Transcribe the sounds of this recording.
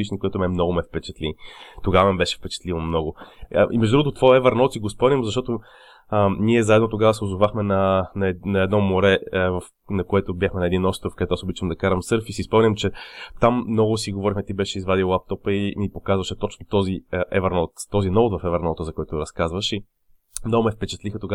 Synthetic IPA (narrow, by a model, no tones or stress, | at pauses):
it͡ʃnikojɛt̪ʊmɛmnɔɡʊmɛfpɛt͡ʃɛ̥t̪lit̪oɡavɐmibɛʃɛ̥fpɛt͡ʃɛ̥t̪livomnɔɡʊ̰ʔḭmɛʒd̪uɡot̪ot̪vɔjɛvəɾnɔt̪siɡospɔmnʲimzɐʃt̪ɔt̪o | əniɛzaɛd̪not̪oɡavəsɛozovaxmɛnɐnɛnɐɛd̪nɔmoɾɛvɐf | nɐkoɛt̪ʊbʲjaxmɛnɐɛd̪inɔst̪ɾofkɐd̪ɛt̪asobit͡ʃəmd̪ɐkaɾɐmsɤɾfisispɔmnʲimt͡ʃɛt̪amːnɔɡʊsiɡovɔɾixmɛt̪ibɛʃɛizvad̪ilˠap̚t̪ɔpəinipokazvɐʃɛt̪ɔt͡ʃnot̪ɔziʔɛvəɾnɔt̪t̪ːɔzinɔvot̪vɐfɛvəɾnɔt̪əzɐkoɔɛt̪ʊɾɐskazvəʃi | mnɔɡʊmɛfpɛt͡ʃɛ̥t̪lixət̪oɡa